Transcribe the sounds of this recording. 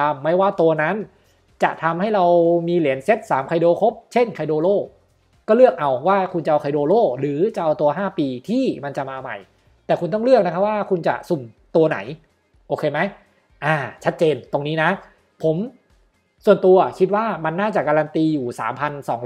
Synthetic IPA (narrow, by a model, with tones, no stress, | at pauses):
a˧mːa˦˥˩jwaː˥˩t̪u˧ɐna˦˥n | t͡ɕa̰˨˩ʔt̪ʰa˧mha˥˩jɾa˧wmiː˧li˨˩˦ənse˦˥t̪̚saː˩˦mkʰa˧jdoː˧kʰo˦˥p̚t͡ɕʰe˥˩nkʰa˧jdoː˧loː˥˩ | kɔː˥˩lɯ˥˩ək̚ʔa˧wwaː˥˩kʰu˧nt͡ɕa˨ʔa˧wʰkʰa˧jdoː˧loː˥˩ɾɯː˩˦t͡ɕa˨˩ʔa˧wt̪u˧ɐɦaː˥˩piː˧t̪ʰiː˥˩ma˧nt͡ɕa˨˩maː˧ma̰˨˩j | t̪ɛː˨˩ku˧nt̪ɔ˥˩ŋlɯ˥˩ək̚na˦˥kʰa˦˥p̚waː˥˩kʰu˧nt͡ɕa̰˨˩su˨˩mt̪u˧ɐna̰˩˦j | ʔoː˧kʰeː˧ma˦˥j | ʔaː˧˩t͡ɕʰa˦˥t̪̚t͡ɕeː˧nt̪o˧ŋniː˦˥na˦˥ | pʰo˩˦m | su˨˩ənt̪u˧ɐkʰi˦˥t̪̚waː˥˩ma˧nːaː˥˩t͡ɕa˨˩kaː˧ɾa˧nt̪iː˧juː˨˩sa̰ː˩˦mpʰa˧nsɔ̰ː˩˦ŋ